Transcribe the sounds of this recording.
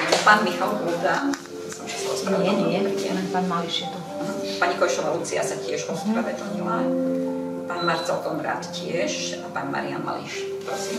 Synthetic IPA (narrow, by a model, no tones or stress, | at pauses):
ʒpaːnmixalɦuːd̪a | sɔmʒɛsaɔspɾɲaɪɛɲɪɛɲɛ̰lɛnpaːnmaliʃjɛt̪ɔ | paɲikɔjʃɔʋalut͡sia̰sacɪɛʒɔspɾaʋɛd̪lɲila | paːnmaɾt͡sɛlkɔmɾa̰ːt̪cɪɛʃapaːɲma̰ɾia̰nma̰lḭʃ | pɾsim